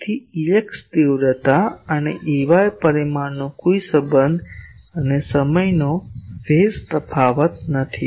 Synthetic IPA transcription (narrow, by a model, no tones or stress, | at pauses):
t̪ʰiileksd̪iwɾət̪aənḛʔiʋajpəɾimaɾnokoisəbənd̪ənesəməjnofespəpʰaʋət̪̚nət̪ʰi